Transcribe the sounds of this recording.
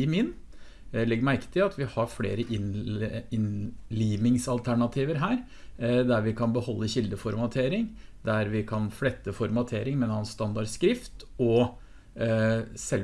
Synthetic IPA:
ɪmɪn | lɪɡmæɾkə̥t̪ʰɪlɑt̪ʰʋɪhɑɾflḛːɾəʔɪnɪnliːʋɪŋsɑlt̪ʰæɳɑt̪ʰiːʋəɾɦæːɾ | d̪æɾʋɪkʰɑnbəhɔlːəçɪld̪əfɔɾmɑt̪ʰeːɾɪŋd̪æɾʋɪkʰɑnflɛt̪ːəfɔɾmɑt̪ʰeːɾɪŋmɛnhɑnsst̪ɑnd̪ɑɖskɾɪft̪ɔ | sɛl

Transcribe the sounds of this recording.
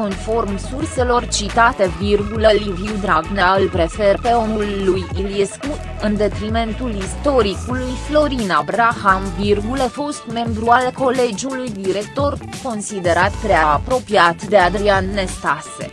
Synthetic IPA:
ko̞nfo̞rmsurse̞lo̞rt͡ʃit̪at̪e̞virɡuleliviwd̪ɾaɡnaɨlpɾe̞fe̞rpe̞o̞nulːujiliesku | ɨnd̪e̞t̪ɾime̞nt̪ulist̪o̞ɾikulujflo̞ɾinabɾaxamvirɡulefo̞st̪me̞mbɾualko̞le̞d͡ʒiulujd̪iɾe̞k̚t̪o̞rko̞nsid̪e̞ɾat̪pɾeaːpɾo̞piat̪d̪e̞ad̪ɾianːe̞st̪asḛ

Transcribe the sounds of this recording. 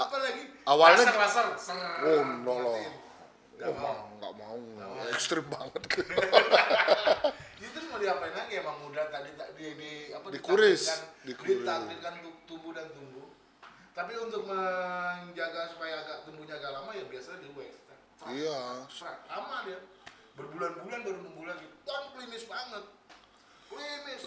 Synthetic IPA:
palaɡiawalaɲaaasarsəŋwonlɔlɔ | ɡɔmaŋɡa̰ʔmauɛkst̪ɾɪmbaŋət̪̚kio | kit̪usmadiapainaɡamaŋmudaht̪adit̪adidiapadikuɾɪsandidit̪ainkant̪uk̚t̪umbudant̪umbu | t̪ap̬iunt̪ʊk̚məɲd͡ʒaɡasupajaːɡaʔt̪umbuɲd͡ʒaɡalamajaŋbiasadiwɛkst̪ɛr | ijasalamadɛ | bərbulanbulanbəɾunbəŋbulanɡit̪t̪anpəlimɪsbaŋət̪̚ | plimɪs

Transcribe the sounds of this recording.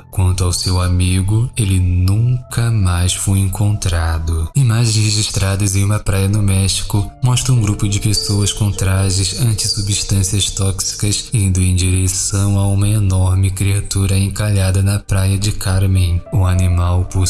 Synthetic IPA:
kwɐ̃nt̪ʊawsewamiɡʊelɪnũkɐmajsfojẽŋkõnt̪ɾad̪ʊimaʒ̃heʒiʃt̪ɾad̪ɐzẽj̃ũmɐpɾajɐnʊmɛʃt͡ʃi̥kʊmɔʃt̪ɾɐũɡɾupʊd͡ʒɪpesowɐskõt̪ɾaʒɪzɐ̃nt͡ʃɪsubiʃt̪ɐ̃siɐst̪ɔksi̥kɐsĩnd̪ʊẽd͡ʒiɾesɐ̃w̃aũmɐenɔɾmɪkɾiat̪uɾɐẽkaʎad̪ɐnɐpɾajɐd͡ʒɪkaɾmẽj̃ʊanimawpo

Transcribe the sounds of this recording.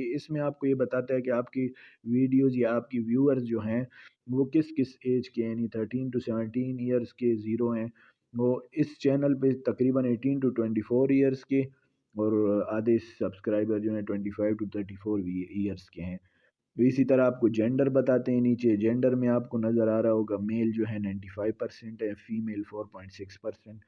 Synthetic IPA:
ɪsmẽaːp̚kojebɐt̪aːt̪aɦɛkeaːpkeʋiːɖijoːzjaaːp̚keʋjuːəɾzd͡ʒoːɦɛ̃ | ʋokɪskɪseːd͡ʒkejaːnit̪ʰəɾʈiːnʈusɛːʋə̃ɳʈiːnijəɾzkeziːɾoɦɛ̃ː | oːɪst͡ʃɛːnəlpet̪ɐkɾiːbəneːʈiːnʈuʈwɛ̃ɳʈiːfoːɾijəɾzke | ɔːɾaːd̪esːɐbskɾaːɪbəɾd͡ʒoːɦɛ̃ʈwɛ̃ɳʈiːfʰaːɪʋʈut̪ʰəɾʈiːfoːɾiːəɾzkeɦɛ̃ː | ɪsit̪ɐɾaaːp̚kod͡ʒɛ̃ːɳɖəɾbɐt̪aːt̪eɦɛ̃niːt͡ʃed͡ʒɛ̃ːɳɖəɾmẽaːpkonɐzəɾaːɾɐaɦoːɡameːld͡ʒoːɦɛ̃nãɪ̃ɳʈifaːɪʋpɐɾsɛ̃ɳʈɦɛ̃fiːmeːlfoːɾpɔːɪ̃ɳʈsɪkspɐɾsɛ̃ɳʈ

